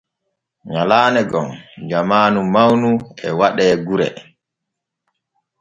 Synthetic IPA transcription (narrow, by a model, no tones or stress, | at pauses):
ɲalaːnɛɡɔnd͡ʒamaːnumawnuʔɛwaɗɛːɡuɾɛ̰